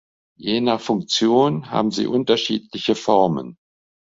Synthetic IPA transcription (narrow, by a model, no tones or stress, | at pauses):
jeːnafʊŋk̚t͡sjoːnɦa̰ːbm̩zḭːʔʊntɐʃiːtlɪçəfɔʁmə̰n